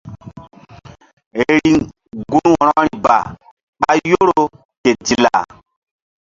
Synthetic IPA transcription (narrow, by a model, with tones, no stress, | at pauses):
e˨ɾi˦ | ɡu˦nwɔ˨ɾɔ˦ɾi˨ba̰˨ | ɓa˦jo˦ɾo˦ | ke˨d͡ʒi˨la̰˨